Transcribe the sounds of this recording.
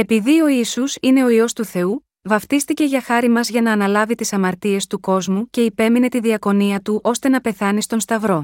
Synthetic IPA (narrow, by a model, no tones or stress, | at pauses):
e̞piðio̞isusine̞o̞io̞st̪uθe̞u | vɐft̪ist̪ice̞ʝɐxɐɾimɐzʝɐnɐːnɐlɐvit̪isɐmɐɾt̪ie̞st̪uko̞zmuce̞ipe̞mine̞t̪iðiɐko̞niɐt̪uʔo̞st̪e̞nɐpe̞θɐnist̪o̞nst̪ɐvɾo̞